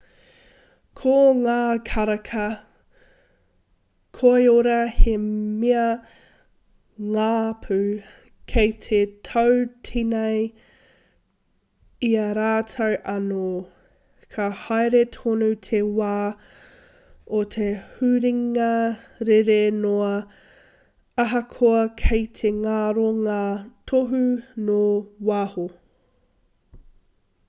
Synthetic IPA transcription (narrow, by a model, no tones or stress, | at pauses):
kʰoŋaːkʰɐɾɐkʰɐ | kʰoeoɾɐhemiɐ | ŋaːpʰʉ | kʰejtʰetʰowtʰinej | iɐɾaːtʰowʔɐno | kʰɐhajɾet̪ʰonutʰewaː | otʰehʉɾiŋɐɾeɾenoɐ | ɐɦɐkʰoɐkʰejt̪ʰeŋaɾoŋaːt̪ʰoɦunowaho